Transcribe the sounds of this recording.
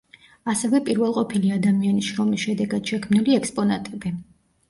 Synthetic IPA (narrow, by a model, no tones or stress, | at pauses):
asɛvɛpʼiɾvɛlˠqʼɔpʰiliad̪amianisʃɾɔmisʃɛd̪ɛɡad̪̥ʃɛkʰmniliɛkspʼɔnat̪ʼɛbi